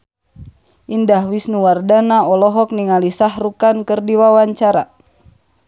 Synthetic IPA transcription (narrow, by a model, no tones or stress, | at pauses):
ʔindahwisnuwardanaɔlɔɦɔk̚niŋalisahrukankɨrdiwawaɲt͡ʃaɾa